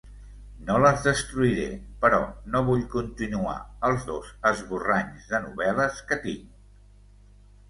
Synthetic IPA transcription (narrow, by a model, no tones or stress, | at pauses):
noləzðəst̪ɾuiɾḛpəɾɔ̰noβ̞uʎkunt̪inua̰əlˠzðozəzβuraɲzðənṵβɛləskət̪iŋ